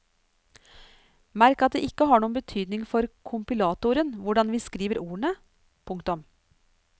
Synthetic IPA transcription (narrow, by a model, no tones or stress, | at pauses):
mæɾkɑt̪̚d̪eːʔɪkːəɦɑːɳuːənbət̪ʰyːd̪nɪŋfɔɾkʰʊmpɪlɑːt̪ʊɾənʋʊɖɑnʋiːskɾiːʋəɾuːəɳə | pʰʊŋkt̪ʊm